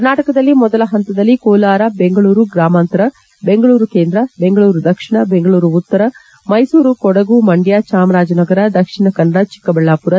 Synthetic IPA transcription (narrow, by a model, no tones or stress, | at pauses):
kɐɾnaːʈɐkɐd̪ɐlːimɔd̪ɐlɐɦɐnt̪ɐd̪ɐlːikoːlaːɾɐbeŋɡɐɭuːɾuɡɾaːmaːnt̪ɐɾɐ | be̞ŋɡɐɭuːɾukeːnd̪ɾɐbe̞ŋɡɐɭuːɾud̪ɐkʂiɳɐbeŋɡɐɭuːɾuut̪ːɐɾɐ | mɐjsuːɾukɔɽɐɡumɐɳɖjat͡ʃaːmɐɾaːd͡ʒɐnɐɡɐɾɐd̪ɐkʂiɳɐkɐnːɐɽɐt͡ʃi̥kːɐbɛɭːaːpuɾɐ